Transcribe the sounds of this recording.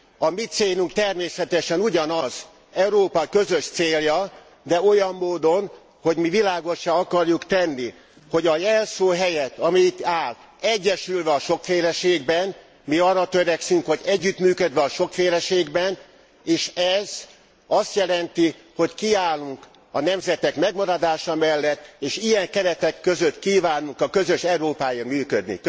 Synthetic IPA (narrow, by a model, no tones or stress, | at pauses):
ɒmitt̪seːlyŋkt̪ɛrmeːsɛt̪ɛʃɛnuɟɒnɒz | ɛuɾoːpɒkø̞zø̞ʃt̪seːljɒ | d̪ɛo̞jɒmːoːd̪o̞n | ho̞ɟmivilaːɡo̞ʃaɒkɒrjukt̪ɛnːi | ho̞ɟɒjɛlsoːɦɛjɛt̪ɒmiːt̪ːaːl | ɛɟːɛʃylvɛɒʃo̞kfeːlɛʃeːɡbɛn | miɒrːɒt̪øɾɛksyŋkho̞ɟɛɟːyt̪myːkød̪ʋɛɒʃo̞kfeːlɛʃeːɡbɛn | eːʃɛz | ɒst̪jɛlɛnt̪i | ho̞ckiaːlːuŋk | ɒnɛmzɛt̪ɛkmɛɡmɒɾɒd̪aːʃɒmɛlːɛt̪ːeːʃijɛŋkɛɾɛt̪ɛkːø̞zøt̪kiːvaːnuŋkɒkø̞zø̞ʃɛuɾoːpaːjirmyːkød̪nḭk